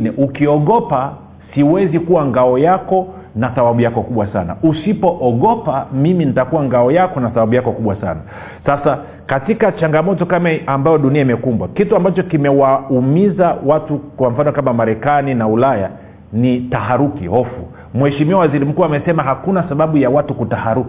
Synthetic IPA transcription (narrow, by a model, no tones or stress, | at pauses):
nɛʔukiɔɠɔpa | siwɛzikuwaŋɡaɔjakɔ | naθawaɓujakɔkuɓwasa̰na̰usipɔʔɔɠɔpamiminitakuwaŋɡaɔjakɔnaθaɓaɓujakɔkuɓwasa̰na | sasa | katikat͡ʃaŋɡamɔtɔkamaambajɔɗuniaimɛkumbwakituambat͡ʃɔkimɛwaumizawatukwam̩fanɔkamamaɾɛkaninaulaja̰ | nitaɦaɾukḭhɔfṵ | mwhɛʃimiuwawaziɾim̩kuːamɛsɛmaɦakunasaɓaɓujawatukutahaɾuk